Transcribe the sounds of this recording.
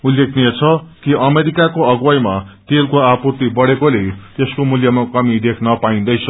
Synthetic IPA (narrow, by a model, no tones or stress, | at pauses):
ulːekʰnijet͡sʰʌkiʔʌmeɾikakoʌɡwʌjmat̪elkoaput̪ibʌɽekolet̪eskomuljʌmakʌmid̪ekʰnʌpaĩnd̪ʌjt͡sʰʌ